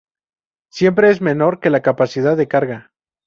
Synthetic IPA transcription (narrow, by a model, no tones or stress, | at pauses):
sje̞mpɾe̞ezme̞no̞ɾke̞lakapasiðaðːe̞kaɾɣa